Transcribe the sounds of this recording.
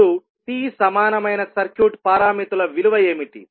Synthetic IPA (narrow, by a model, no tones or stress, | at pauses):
u | t̪iːsɐmaːnɐmɐjnɐsɐɾkjuːʈpaːɾaːmit̪ulɐʋiluʋɐjeːmiʈḭ